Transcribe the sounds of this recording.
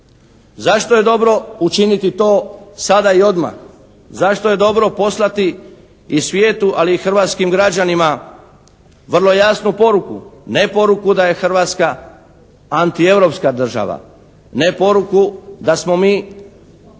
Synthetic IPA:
zaʃt̪oje̞d̪o̞bɾo̞ut͡ʃinit̪it̪o̞ːsad̪aio̞d̪ma̰x | zaʃt̪oje̞d̪o̞bɾo̞po̞slˠat̪iː | sʋjeːt̪uʔaliːxr̩ʋat̪skimɡɾad͡ʑanima | ʋr̩lˠo̞jasnupo̞ɾukṵne̞po̞ɾukud̪aje̞xr̩ʋaːt̪ska | ant̪ie̞ʋɾo̞pskad̪r̩ʒa̰ʋa̰ | nepo̞ɾukud̪asmo̞miː

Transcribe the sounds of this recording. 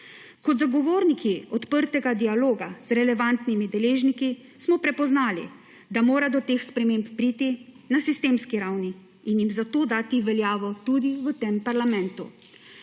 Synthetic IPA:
kɔd̪zaɡɔʋoːɾnikiɔt̪pəɾt̪ɛɡad̪ialoːɡaz̥ɾɛlɛʋant̪nimid̪ɛleːʒniki | smɔpɾɛpɔznaːlḭ | d̪amoːɾad̪ɔt̪eːxspɾɛmeːmppɾit̪i | nasist̪eːmskiɾawni | injimzat̪oːd̪aːt̪iʋɛljaːʋɔt̪ud̪iʋət̪empaɾlamɛ̃nt̪ṵ

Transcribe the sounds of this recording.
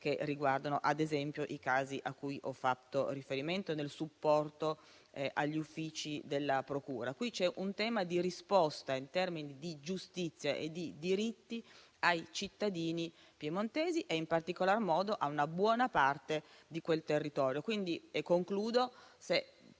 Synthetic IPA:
keriɡward̪anoʔad̪ezɛmpjoʔikaːziʔakːujʔɔfːat̪ːorifeɾiment̪onelsupːɔrt̪o | ʔaʎːufːiːt͡ʃid̪elːapɾokuːɾakwit͡ʃɛʔunt̪ɛːmad̪iɾispɔst̪aint̪ɛrminid̪id͡ʒust̪it̪sːjaʔḛd̪ːid̪iɾit̪ːi | ajt͡ʃit̪ːad̪iːni | pjemont̪ɛːziʔeimpart̪ikolarmɔːd̪oʔaunabwɔːnapart̪ed̪ikwelt̪erːit̪ɔːɾjokwind̪iekːoŋkluːd̪ose

